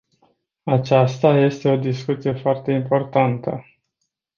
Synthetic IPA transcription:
at͡ʃast̪aje̞st̪e̞o̞d̪iskut̪sije̞foart̪e̞impo̞rt̪ant̪ə

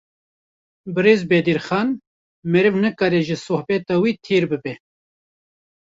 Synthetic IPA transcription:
bɨɾeːzbed̪iɾxɑːn | mɛɾɨvnɨkɑːɾɛʒɨsohbɛt̪ɑwiːt̪ʰeːɾbɨbɛ

